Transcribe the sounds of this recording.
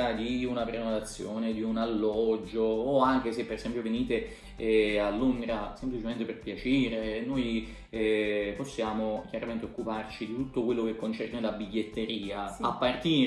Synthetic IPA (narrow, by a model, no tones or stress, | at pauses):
ad̪iunapɾenod̪at̪sːjoːned̪iunalːɔd͡ʒːoːaŋk̟esepːeɾezɛmpjoveniːt̪e | alːuŋɡɾasemplit͡ʃement̪eperpjat͡ʃiːɾenoj | ɛposːjaːmok̟jaɾament̪eokːupart͡ʃid̪it̪ut̪ːokwelːok̟ekːont͡ʃɛrnelabiʎːet̪ːeɾiːaapːart̪iː